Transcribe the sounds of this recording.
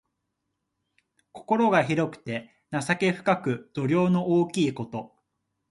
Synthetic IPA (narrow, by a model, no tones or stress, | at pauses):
ko̞̥ko̞ɾo̞ɡaçiɾo̞kɯ̟̥t̪e̞ | nasake̞ɸɯ̟̥kakɯ̟d̪̥o̞ɾʲo̞ːno̞ʔoːkʲiːko̞t̪o̞